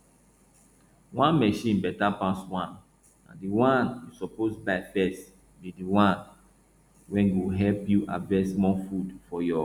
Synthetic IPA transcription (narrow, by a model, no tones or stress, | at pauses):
wãnmɛʃĩnbɛtapaswãn | ã̰ndiwãnjusɔposbaɪfɛs | bidiwãn | wɛ̃njuwɦɛlpjuʔa̰dvɛsmɔfudfɔjɔ